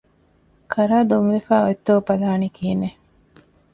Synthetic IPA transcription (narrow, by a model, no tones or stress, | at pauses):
kɐɾaːd̪unʋefaːot̪ːoːpɐlaːnikiːne